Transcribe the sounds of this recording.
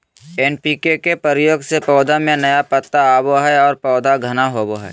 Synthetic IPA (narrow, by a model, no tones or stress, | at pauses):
eːnpikekepəɾjoːɡsepɔːd̪ʱamẽnɐjapət̪ːaaːboɦɛɔːɾpɔːd̪ʱaɡʱɐnaɦoːboɦɛ̰ː